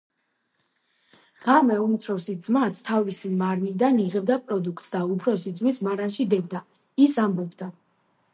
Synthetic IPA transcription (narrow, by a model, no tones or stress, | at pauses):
ʁamɛumt̪sʰɾɔsid̪zmat̪sʰt̪ʰavisimaɾmid̪aniʁɛb̚d̪apʼɾɔd̪ukʰt̪sd̪aupʰɾɔsid̪zmismaɾanʃid̪ɛbd̪a | isambɔbd̪a